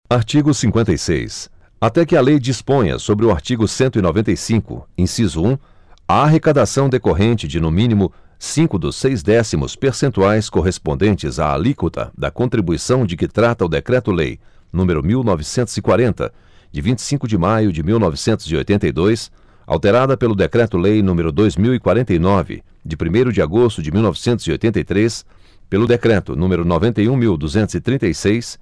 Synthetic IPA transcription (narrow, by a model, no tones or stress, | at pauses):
aɾt͡ʃiɡʊsĩŋkwẽnt̪ɐjsḛjs | at̪ɛkɪɐlejd͡ʒispõj̃ɐ̰sobɾɪʊaɾt͡ʃiɡʊsẽnt̪ʊinovẽt̪ejsĩkʊ̰ẽsizuũ | ɐaɦekad̪asɐ̃w̃d̪ekoɦẽnt͡ʃɪd͡ʒɪnʊ̃mĩnimʊ | sĩŋkʊd̪ʊsejzd̪ɛsimʊ̰speɾsẽnt̪uajskoɦespõd̪ẽnt͡ʃɪza̰a̰likot̪ʰɐ̰d̪ɐ̰kõnt̪ɾibuisɐ̃w̃d͡ʒɪkɪt̪ɾat̪ɐʊd̪ekɾɛt̪ʊlḛj | nũmeɾʊmiwnɔvɪsẽnt̪ʊz̥ɪkwaɾẽnt̪ɐ̰ | d͡ʒɪvĩnt͡ʃɪ̥sĩŋkʊd͡ʒɪmajʊd͡ʒɪmiwnɔvɪsẽnt̪ʊzio̰jt̪ẽnt̪ɐjd̪ojs | a̰wt̪eɾad̪ɐpelʊd̪ekɾɛt̪ʊlejnũmeɾʊd̪ojzmiwikwaɾẽnt̪ejnɔvɪ̰ | d͡ʒɪpɾimejɾʊd͡ʒɪaɡost̪ʊd͡ʒɪmiwnɔvɪsẽnt̪ʊzio̰jt̪ẽnt̪ɐjt̪ɾes | pelʊd̪ekɾɛt̪ʊ̰nũmeɾʊnovẽnt̪ejũmiwd̪uzẽnt̪ʊzɪt̪ɾĩnt̪ɐjsejs